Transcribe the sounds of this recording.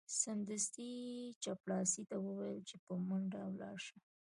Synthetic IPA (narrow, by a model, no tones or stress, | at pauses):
sand̪əst̪it͡ʃaplɑsit̪awəwajəlt͡ʃepəmʊɳɖawlɑ̰ɾʃa